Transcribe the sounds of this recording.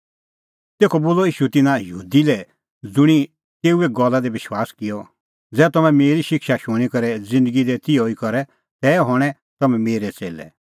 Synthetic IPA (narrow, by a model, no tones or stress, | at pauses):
t̪eːkʰɔboːlɔiːʃut̪ɪnãjəɦṵːd̪ilɛ | d͡zʊɽ̃i | t̪eːueɡɔlːad̪ebɪʃwaːskɪjɔ | d͡zɛːt̪ɔmɛ̃meːɾiʃɪkʃaʃʊɽ̃ikɔɾɛd͡zɪ̃nd̪əɡid̪ɛt̪ɪjɔikɔɾɛ | t̪ɛːɦɔɽ̃ɛ̃ | t̪ɐmɛ̃meːɾɛt͡sḛːlɛ̰